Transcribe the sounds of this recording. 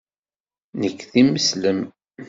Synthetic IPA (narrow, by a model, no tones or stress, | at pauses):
nəkːθiməsləm